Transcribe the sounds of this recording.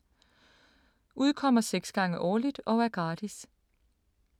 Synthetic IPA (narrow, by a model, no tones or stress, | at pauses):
uðˠkʰɒ̽m̰ɐseɡ̥sɡ̥ɑ̈ŋəʔɒːlid̥ɒ̽æɐɡ̥ʁɑ̈ːd̥is